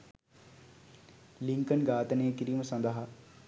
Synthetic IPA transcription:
liŋkənɡaːt̪ənejəkiɾiːməsɐnd̪əɦa

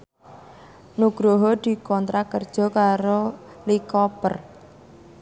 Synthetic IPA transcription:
nuɡ̥ɾoɦɔd̪̥i̤kɔnt̪ɾakərd̥ʒ̥ɔ̤kaɾo | likɔpər

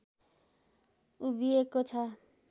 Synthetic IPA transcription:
ubiekot͡ʃʰa

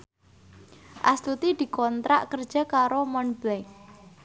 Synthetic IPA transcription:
ʔa̰st̪ut̪id̪̥i̤kɔnt̪ɾa̰ʔkərd̥ʒ̥a̤kaɾomɔnblɛk

